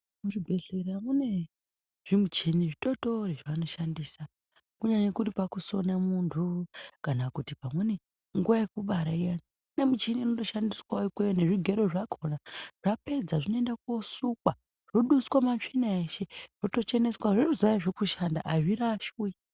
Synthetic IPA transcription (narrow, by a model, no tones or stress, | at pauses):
muʐiɡʱeɮeɾamune̞ | ʐ̥imut͡ʃiniʐito̞to̞riʐano̞ʃandiːsa | kuɲaɲekuɾipakuso̞namuntʰukanakutipamwe̞ne̞ | ŋɡuwajekuɓaɾaijano | ne̞mut͡ʃiniːnoto̞ʃandiswaikweneʐiɡʱe̞ɾo̞ʐakʰo̞naʐ̥ape̞d͡zaʐinoendako̞sukwa | ʐ̥oɗuskwamat͡ʂinaeʃe̞ʐ̥oto̞t͡ʃe̞ne̞swaʐeʐizajaʐekuʃanda̰ʔaʐiɾaʃui